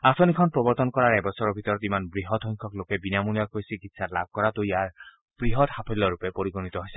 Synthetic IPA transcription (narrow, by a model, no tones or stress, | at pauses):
asɔnikʰɔnpɹɔbɔɾt̪ɔnkɔɹaɹɛbɔsɔɹɔɹbʱit̪ɔɹɔt̪imanbɹiɦɔtʰɔjŋkʰɔklokɛbinamuniakojsikit̪satla̰b̚ʱkɔɹat̪ujaɹ | b̥ɹiɦɔt̪hapʰilːɔɹupɛpoɹiɡonit̪ɔɦojsɛ